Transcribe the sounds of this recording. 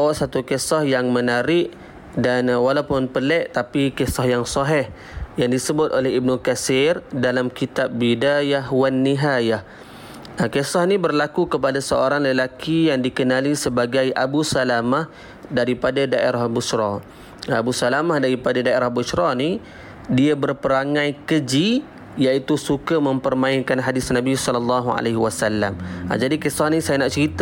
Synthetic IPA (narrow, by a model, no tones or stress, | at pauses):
awʔsat̪ukəsɔhjaŋmənaɾɪʔ | danwalawpʊnpəlɛʔt̪apikɛsɔhjaŋsɔɦɛh | jaŋdisəbʊt̪̚ʔolɛɦib̚nukasɪrdalamkit̪ap̚ːidajahwanːiɦajah | kəsɔhnibərlakukəp̬adasəoɾaŋləlakijaŋdikənalisəbaɡajʔabusalamah | daɾipadadaʔḛɾahbusɾɔ | abusalamahdaɾipadadaeɾahbusɾɔni | diabərpəɾaŋãjkəd͡ʒi | jait̪usukəməmpərmaɪnkanɦadɪsnabisɔlɔlːɑɦua̰leɦwasalːa̰m̰d͡ʒadikəsɔhnisajanaʔt͡ʃəɾit̪a